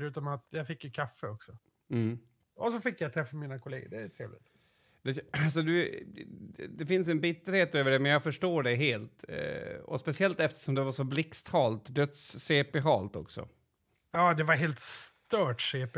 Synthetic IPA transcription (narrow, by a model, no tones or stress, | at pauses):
ɾʉ̟ːt̪amat̪jafɪkːjəkʰafːəɔksɔ | m̩ː | ɔsɔfɪkːjajt̪ʰɾɛfːamiːnakʰʊleːɡə̰ɖɛæt̪ʰɾḛːvlɪ̰t̪ | d̪ɛs̬ɔd̪ɵ | d̪ɛfɪns̬ɛnbɪt̪ːəɾheːt̪øːvəɖɛmɛnjɑːɡfœʂʈoːɖɛɦeːlt̪ | ɔ̰spɛsɪɛlt̪ɛft̪ə̥ʂɔmd̪ɛvaʂɔblɪkst̪hɑːlt̪d̪œt̪sːeːpɛɦɑːlt̪ɔ̰ksɔ̰ | jɑːd̪ɛvaɾɦeːlt̪st̪œːʈseːp